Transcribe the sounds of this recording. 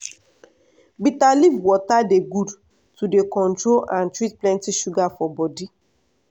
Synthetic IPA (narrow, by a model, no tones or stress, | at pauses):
bitalivwɔtadeɡud | tudekɔ̃ntɹolʔãntɹit̚plɛ̃ntiʃuɡafɔbɔdi